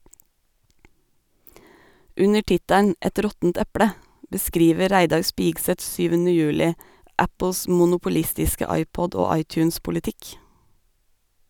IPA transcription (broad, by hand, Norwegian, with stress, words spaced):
ˈʉnə ˈʈɪtæɳ̩ ˈɛt ˈɾɔtn̩t ˈɛpɽə bəˈskɾiːʋə ˈɾæɪdɑɾ ˈspiːɡsət ˈsyːʋənə ˈjøːlɪ ˈæpl̩s ˌmʊnʊpʊˈlɪstɪskə ˈɑɪˌpɔd ˈoː ˈɑɪˌtjʉːnspʊlɪˌtɪk